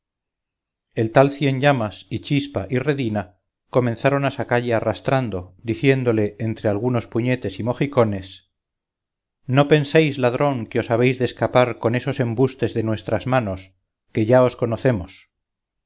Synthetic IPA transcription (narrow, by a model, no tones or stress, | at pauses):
e̞lt̪alθje̞ɲʎamasit͡ʃispaʔire̞ðina | ko̞mẽ̞nθaɾo̞nasakaʎearast̪ɾand̪o̞d̪iθje̞nd̪o̞le̞ent̪ɾe̞alɣ̞uno̞spuɲe̞t̪e̞simo̞xiko̞ne̞s | no̞pe̞nsejzlað̞ɾo̞ŋkeo̞saβ̞ejzðeskapaɾko̞ne̞so̞se̞mbust̪e̞zðenwe̞st̪ɾazmano̞s | ke̞ʝao̞sko̞noθe̞mos